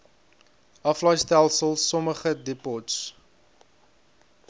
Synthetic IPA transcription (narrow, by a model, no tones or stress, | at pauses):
ɐflœjstælˠsəlˠsɔməχədepɔts